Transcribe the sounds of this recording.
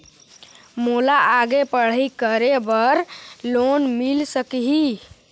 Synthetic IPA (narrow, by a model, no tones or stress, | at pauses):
molaaɡepəɽ̤ikəɾebəɾlonmilsəkiɦi